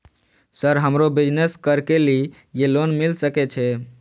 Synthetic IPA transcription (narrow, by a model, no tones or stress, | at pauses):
səɾɦəmɾobid͡ʒneskəɾkeli | jelonmilsəkɛt͡ʃʰɛ